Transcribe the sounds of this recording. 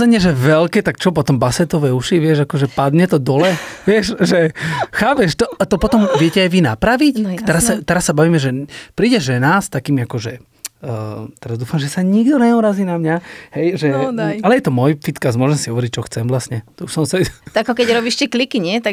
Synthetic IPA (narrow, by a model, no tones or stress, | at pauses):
ɛɲɛʒɛʋɛlkɛːt̪ak̚t͡ʃɔp̬ɔt̪ɔmbasɛt̪ɔʋɛuʃiʋɪɛʒakɔʒɛpad̪ɲɛt̪ɔd̪ɔlɛʋɪɛʃʒɛxaːpɛʃt̪ɔat̪ɔpɔt̪ɔmʋɪɛcɛajʋinapɾaʋict̪ɛɾasːat̪ɛɾasːabaʋiːmɛʒɛpɾiːɟɛʒɛnaːst̪akiːmiakɔʒɛ | t̪ɛɾazd̪uːfamʒɛsaɲiɡd̪ɔɲɛuɾaziːnamɲaɦɛjʒɛalɛjɛt̪ɔmɔjfit̪kasmʊɔʒɛmsiɦɔʋɔɾic̚t͡ʃɔxt͡sɛmvlast̪ɲɛt̪ɔuʃsɔmsɛt̪akɔkɛɟɾɔbiːʃcɛklikiɲɛt̪a